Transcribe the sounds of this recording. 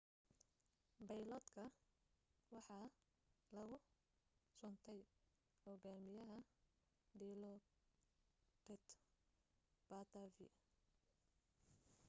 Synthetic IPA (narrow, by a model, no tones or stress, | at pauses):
bɐjlɔːd̪kʰɐ | wɑħɑː | lɐɣʊ | sʊnt̪ʰɛj | hɔɣaːmɪjɐɦɐ | ɖiːlɔ | tɛt̪ | b̥aːt̪ʰavɪ̰